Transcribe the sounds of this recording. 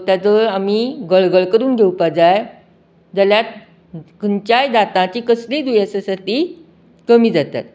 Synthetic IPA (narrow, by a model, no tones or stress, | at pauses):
t̪ad͡zəɾamiːɡəɭɡəɭkəɾuːnɡʱewpad͡zaj | d͡zəljat̪̚ | kəɲt͡ɕajd̪at̪ãt͡ɕiːkəsliːd̪ujəsəsət̪iː | kəmiːd͡zat̪a̰t̪̚